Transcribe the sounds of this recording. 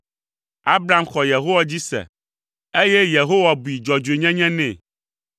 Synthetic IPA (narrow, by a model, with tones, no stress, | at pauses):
a˦bɾa˦mxɔ˨je˨ɦo˦wa˦d͡ʑi˦sɛ̰˨ | e˦jɛ˦je˨ɦo˦wa˨bu˨i˨d͡ʒɔ˨d͡ʒe˨ɲɛ̃˦ɲɛ̃˦nɛ̰̃˨